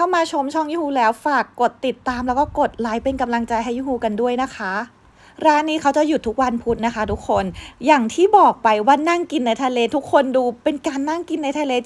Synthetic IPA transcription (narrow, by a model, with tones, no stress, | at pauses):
kʰa˥˩wmaː˧t͡ɕʰo˧mt͡ɕʰɔ˥˩ŋjuː˥˩huː˧˩lɛː˦˥wfaː˨˩kːo˨˩t̪ːi˨˩t̪ːaː˧mlɛː˦˥wkɔː˥˩ko˨˩t̪̚laː˨˩˦jpe˧nka˧mla˧ŋt͡ɕa˧jɦa˥˩jːuː˥˩huː˧ka˧ndu˥˩əjna˦˥kʰa˦˥ | ɾaː˦˥nːiː˦˥kʰa˦˥wt͡ɕa˨˩ju˨˩t̪ʰu˦˥k̚wa˧npʰu˦˥t̪̚na˦˥kʰa˦˥t̪ʰu˦˥kʰːo˧njaː˨˩ŋt̪ʰiː˥˩bɔː˨˩k̚pa˧jwaː˥˩na˥˩ŋki˧nːa˧jt̪ʰa˧leː˧˥t̪ʰu˦˥kʰːo˧nduː˧pe˧nkaː˧nːa˥˩ŋki˧nːa˧jt̪ʰa˧leː˧